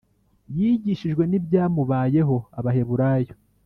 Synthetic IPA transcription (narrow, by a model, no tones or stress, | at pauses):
jiːɟiʃiʒɡwe̞nibjaːmuβaːje̞ɦo̞aβahe̞βuɾaːjo